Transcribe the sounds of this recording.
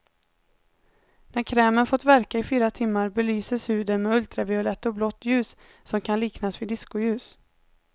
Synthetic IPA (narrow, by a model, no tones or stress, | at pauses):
næɾkʰɾɛːmənfɔt̪væɾkaɪfiːɾat̪ʰɪmːaɾbɛlyːsəshʉ̟ːd̪ənmɛɵlt̪ɾavɪʊlɛt̪ːɔblɔt̪ːjʉ̟ːsː | ɔmkʰanliːknasvɪd̪ɪskʊjʉ̟ːs